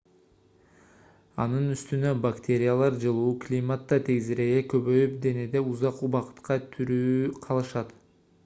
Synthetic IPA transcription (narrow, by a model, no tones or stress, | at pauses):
ɑ̰nɯnyst̪ynø̞bakt̪ʰʲe̞ɾʲɪjalˠɑɾd͡ʒɯlˠuːklʲimat̪ːɑt̪ʰeɡziɾeekøβøjyp̚d̪e̞ne̞d̪e̞uzɑqubɑqɯ̥t̪qɑt̪ʰyɾyːqʰɑlˠɯʃɑt̪